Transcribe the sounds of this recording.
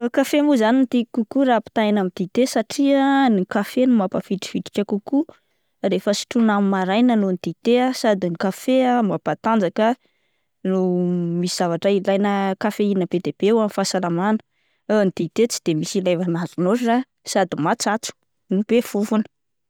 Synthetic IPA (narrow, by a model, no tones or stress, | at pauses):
kafemuzaninit̪ikukuɾapi̥t̪ainamid̪it̪esaʈ͡ʂiənikafenumapafiʈ͡ʂi̥fiʈ͡ʂi̥kʲəkuku | refəsi̥ʈ͡ʂunamimaɾajnanonid̪it̪easad̪iŋikafeamapat̪and͡zakə | numisiz̥avaʈ͡ʂailajnəkafeinəb̥ed̪eb̥euamfasalamanə̥ | nid̪̥it̪et͡si̥d̪̥emisilajvanazunoa | sad̪imat͡sat͡su̥ | nub̥efufunə̥